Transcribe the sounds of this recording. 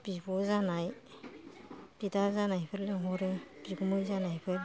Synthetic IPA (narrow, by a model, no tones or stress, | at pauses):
b̥ibɔzanaj | b̥idaɾzanajpʰɯɾlɯŋɦɔɾɯb̥iɡumɯjzanajpʰɯɾ